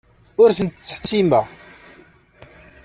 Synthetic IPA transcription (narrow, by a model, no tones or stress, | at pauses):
ʊɾθənt̪t͡sːħt͡sːimæ